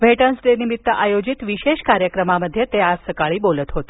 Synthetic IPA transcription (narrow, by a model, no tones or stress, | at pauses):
ʋʱeʈənsɖenimit̪ːəʔajod͡ʒit̪ʋiʃeʃkaɾjəkɾəmaməd̪ʱjet̪easəkaɭibolət̪ɦot̪i